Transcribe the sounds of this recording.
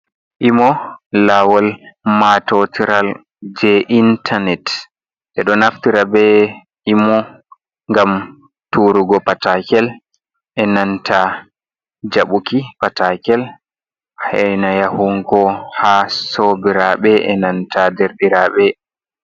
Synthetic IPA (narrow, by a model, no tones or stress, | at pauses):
ʔimɔlawɔlmatɔtiɾal | d͡ʒɛʔintʰanɛt | ʔɛɗɔnaftiɾabɛ | imɔ | ŋɡam | tuɾuɡɔpatakɛl | ʔɛnantʰa | d͡ʒaɓukipatakɛl | hajnajahuŋkɔhasobiɾaɓɛʔɛ̰nantadɛɾɗiɾaɓɛ